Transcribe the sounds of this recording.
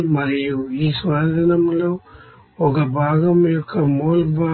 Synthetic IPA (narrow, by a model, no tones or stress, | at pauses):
mɐɾijuiːsʋaːd̪ʱɐnɐmlo̞ː | ɔkɐbʱaːɡɐmjɔkʰːɐmoːlbʱaː